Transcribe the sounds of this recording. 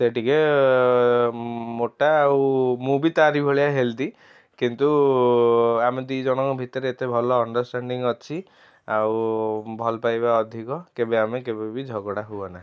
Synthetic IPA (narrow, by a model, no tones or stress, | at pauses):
seʈike | moʈaːwmubit̪aɾibʱɔɭijaɦelt̪i | kint̪u | amed̪ijd͡ʒɔɽ̃ɔŋkɔbʱit̪ɔɾeet̪ebʱɔlɔːɳɖɔɾsʈaɳɖiŋɔt͡ʃʰi | awbʱɔlɔpajbaɔd̪ʱikɔkebeamekebebid͡ʒʱɔɡɔɽaɦuɔna